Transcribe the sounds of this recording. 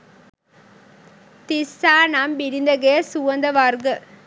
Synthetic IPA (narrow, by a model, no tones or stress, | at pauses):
t̪isaːnaːmbɪɾɪnd̪ɐɣeɐsuʋɐnd̪ɐʋaːɾɡɐ